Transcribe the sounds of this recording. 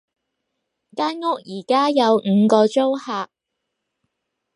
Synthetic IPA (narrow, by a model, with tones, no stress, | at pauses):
kaː˥nŋʊ˥k̚jiː˨˩kaː˥jɐ˨˧wŋ̩ː˨˧kɔː˧t͡ʃo˥whaː˨k̚